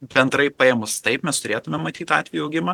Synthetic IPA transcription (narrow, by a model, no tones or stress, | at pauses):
bʲɛnd̪ɾɐɪpɐjemʊst̪ɐɪpmʲɛst̪ʊɾʲeːt̪ʊmʲɛmːɐt̪ʲiːt̪ɑ̰ːt̪ʲʋʲɛjuɐʊɡʲɪmɐ